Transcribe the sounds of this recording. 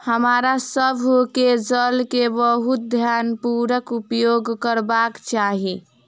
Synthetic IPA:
həmaɾasəbʱoked͡ʒəlkebəɦut̪̚d̪ʱjanpuɾəkupjoɡkəɾbakt͡ʃaɦi

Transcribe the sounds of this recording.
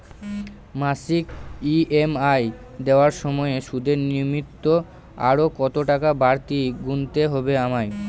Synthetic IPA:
masikiemaj | d̪eoaɾʃɔmɔeeʃud̪ʱeɾnimit̪ːo | a̰ɾokɔt̪oʈakabaɾt̪iɡunt̪eɦɔbeamaj

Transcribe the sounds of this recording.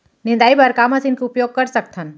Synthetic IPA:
nɪ̃nd̪aːibɐɾkaːmãsɪnkeʊpjoːɡ̚kɐɾsɐk̚t̪ʰən

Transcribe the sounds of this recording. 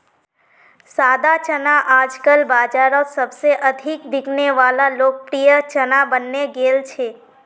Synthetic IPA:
sad̪at͡ʃənaʔad͡ʒkəlbad͡ʒaɾəsəbseʔəd̪ʱikʋɪɡneʋalalok̚əpɾijət͡ʃənabənːeɡelt͡ʃʰe

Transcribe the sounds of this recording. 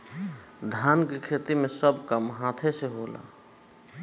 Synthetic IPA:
d̪ʱankekʰet̪imesəbʱkamɦãt̪ʰeseɦola̰

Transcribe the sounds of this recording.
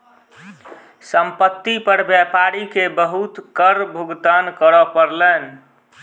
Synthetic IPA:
səmpət̪ːipəɾbjɛpaɾikebəɦut̪kəɾbʱuɡt̪ankəɾɔpəɾlɛn

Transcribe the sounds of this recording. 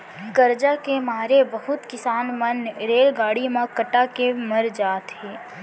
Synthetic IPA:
ɡəɾd͡ʒakemaːɾebəɦʊt̪kɪsaːnmənɾeːlɡaːɽimãkəʈakeməɾd͡ʒaːt̪ɦɛː

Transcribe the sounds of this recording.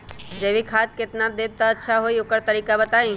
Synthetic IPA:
d͡ʒebʱikʰaːt̪̚kɪt̪nad̪eːt̪əːtːʃʰaɦoiʊkəɾt̪əɾiːkabət̪aːĩ

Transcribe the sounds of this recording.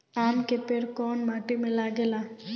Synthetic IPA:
amkepeɽkɔnməʈimẽlaɡela

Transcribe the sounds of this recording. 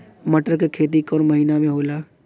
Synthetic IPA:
mɐʈəɾkekʰeːt̪̬ikɔːɾmɐɦiːnamẽɦoːlaː

